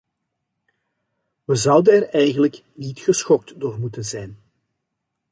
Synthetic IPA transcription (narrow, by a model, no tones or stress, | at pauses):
ʋəzɑwdənɛrɛjɣənlək | nitxəsxɔk̚tdoːrmutənzɛjn